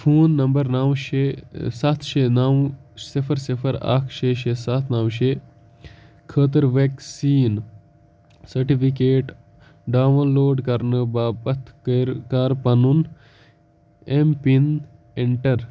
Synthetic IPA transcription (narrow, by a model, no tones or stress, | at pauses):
pʰuːnːɐmbɐɾnɐʋʃesɐt̪ʰʃenaʋsipʰɐɾsipʰɐɾa̰ːkʰʃeʃesat̪ʰnɐwʃeː | kʰəːt̪̬əɾʋeːksiːn | sɐɾʈipʰikeːʈ | ɖaːʋnloːɖkɐɾnɨbaːpɐt̪ʰkɾkaːɾpɐnun | empin | eɳʈɐɾ